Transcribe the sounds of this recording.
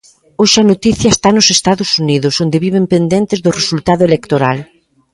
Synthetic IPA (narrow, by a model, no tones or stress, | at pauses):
oʃɐnot̪iθjɐest̪anʊsest̪aðʊsuniðʊsond̪ɪβiβempend̪ent̪ɪzðʊresult̪aðʊelekt̪oɾa̰l